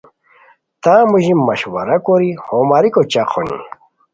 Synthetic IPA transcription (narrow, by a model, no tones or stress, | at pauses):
t̪aːmuʑimːɐɕwɐ̰ɾɐkoɾihomaɾikot͡ɕaqʰonḭ